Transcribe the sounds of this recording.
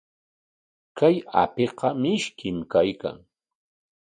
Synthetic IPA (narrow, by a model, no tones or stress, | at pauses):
kaja̰peqɑmɪʃkɪmkajka̰ŋ